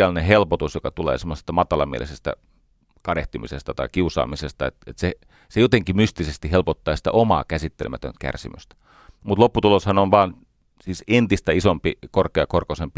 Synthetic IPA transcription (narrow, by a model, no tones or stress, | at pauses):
ælneɦelpot̪usjokɑt̪ulḛːsemːˑose̥st̪ɑmɑt̪ɑlɑmḭḛlisest̪æ̰ | kɑɾeht̪imḭsest̪ɑt̪ɑ̰ikiusɑ̰ːmisest̪ɑet̪et̪se | sejot̪eŋkimyst̪isest̪ihelpot̪ːɑːsi̥t̪æ̰ʔomɑ̰ːkæsit̪ːelmæt̪ø̰nt̪kæ̰rsimø̰st̪æ̥ | mut̪lopːut̪uloshɑnonʋɑːn | siːsent̪ist̪æisompikorkeɑkorkosempi